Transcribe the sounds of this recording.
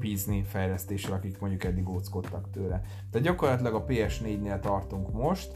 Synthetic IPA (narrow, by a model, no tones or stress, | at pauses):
piːznifɛjlɛst̪eːʃːɛlɒkikmo̞ɲɟukɛd̪ːiɡoːt̪sko̞t̪ːɒkt̪øːlɛ | t̪ɛːt̪ɟɒko̞rlɒt̪lɛɡɒpeːɛʃneːɟneːlt̪ɒrt̪uŋkmo̞ʃt̪